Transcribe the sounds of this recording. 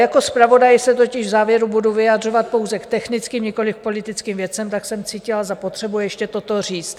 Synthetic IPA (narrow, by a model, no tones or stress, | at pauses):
jako̞spɾavo̞dajɪsɛt̪o̞cɪʒvzaːvjɛɾubuduvɪjad̪r̝o̞vat̪̚po̞wzɛkt̪ɛxnɪt͡skiːmɲɛko̞lɪfpo̞lɪt̪ɪt͡skiːmvjɛt͡sɛmt̪aksɛmt͡siːcɪlazapot̪r̝̥ɛbujɛʃcɛt̪o̞t̪o̞r̝iːt͡st̪